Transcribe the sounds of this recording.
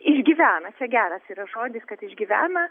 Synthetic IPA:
ɪʒʲɡʲiʋʲæːnɐt͡ʃʲɛɡʲæːɾɐsiːɾɐʒoːd̪ʲɪskɐt̪ɪʒʲɡʲiʋʲæ̰ːnɐ

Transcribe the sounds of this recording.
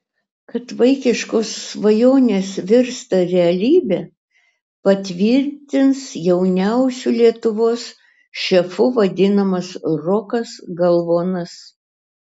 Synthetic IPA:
kɐt̪ʋɐɪkʲɪʃkoːsːʋɐjoːnʲeːsʋʲɪɾst̪ɐɾʲɛɐlʲiːbʲe | pɐt̪ʲʋʲɪɾʲt̪ʲɪnsjɛʊnʲæʊsʲulʲiɛt̪ʊʋoːs | ʃʲɛfʊʋɐd̪ʲɪnɐmɐsɾɔːkɐsɡɐlˠʋoːnɐs

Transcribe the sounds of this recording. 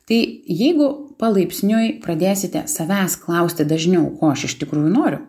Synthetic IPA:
t̪ɐɪjɛɪɡʊpɐlˠɐɪpʲsʲnʲojpɾɐd̪ʲeːsʲɪt̪ʲɛsɐʋʲæːsklˠɐʊsʲt̪ʲɪd̪ɐʒʲnʲɛʊkoːɐʃɪʃʲt̪ʲɪkɾuːjʊnoːɾʲʊ

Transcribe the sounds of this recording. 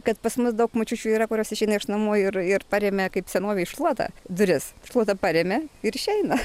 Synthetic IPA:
kɐt̪pɐsmʊsd̪ɐʊkmot͡ʃʲuːt͡ʃʲuːiːɾɐkʊɾʲoːsɪʃʲɛɪnɐɪʃnɐmuːɪrɪɾpɐɾʲeːmʲɛkɐɪpsʲɛnoːʋʲɛɪʃlˠuɔt̪ɐ̰d̪ʊɾʲɪsʃlˠuɔt̪ɐpɐɾʲɛːmʲɛɪɾɪʃʲɛɪnɐ

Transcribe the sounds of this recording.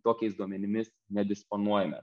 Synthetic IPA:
t̪oːkʲɛɪsd̪uɔmʲɛnʲɪmʲɪsnʲɛd̪ʲɪsponuɔjɛmʲɛ̰

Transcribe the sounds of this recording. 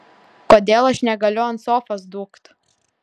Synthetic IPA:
koːd̪ʲeːlˠɐʃnʲɛɡɐlʲʊɐnt̪soːfɐsd̪uːkt̪

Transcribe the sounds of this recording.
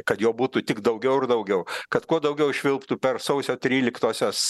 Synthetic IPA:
kɐt̪joːbuːt̪uːt̪ʲɪkd̪ɐʊɡʲɛʊɪrd̪ɐʊɡʲɛʊkɐt̪kuɔd̪ɐʊɡʲɛʊʃʲʋʲɪlˠpt̪uːpʲɛrsɐʊsʲoːt̪ʲɾʲiːlʲɪkt̪uɔsʲoːs

